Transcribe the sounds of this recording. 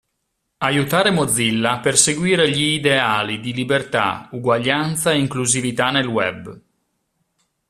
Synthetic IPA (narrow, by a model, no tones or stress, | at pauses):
ajut̪aːɾemod̪zːilːaperseɡwiːɾeʎiːd̪eaːlid̪ilibert̪a̰uɡwaʎːant̪saeiŋkluzivit̪anelwɛ̰b